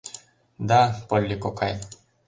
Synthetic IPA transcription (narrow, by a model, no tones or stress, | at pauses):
d̪apɔlːikɔkʰaj